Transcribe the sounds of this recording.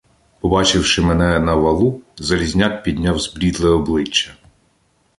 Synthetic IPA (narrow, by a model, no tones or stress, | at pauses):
pɔbɑt͡ʃɪwʃɪmɛnɛnɐʋɐlˠuzɐlʲizʲnʲak̚pʲid̪ʲnʲɑwzbɾʲid̪lˠɛɔblˠɪt͡ʃːɐ